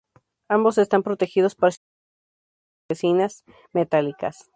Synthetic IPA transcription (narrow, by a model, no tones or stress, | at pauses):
ambo̞se̞st̪ampɾot̪e̞xiðo̞spaɾas | esinas | met̪alika̰s